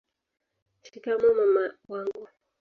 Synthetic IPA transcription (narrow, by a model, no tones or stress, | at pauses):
ʃikamɔmamawaŋɡu